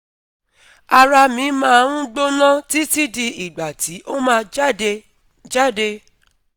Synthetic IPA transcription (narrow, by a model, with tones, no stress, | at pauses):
a˧ɾa˧mĩ˨˦mãː˦˧ɾũ˦ɡ͡bo˦nã˦ti˦ti˦di˧i˨ɡ͡ba˨ti˨˦ʔo˦mãː˦˧˦e˧ | d͡ʒa˦˨de˧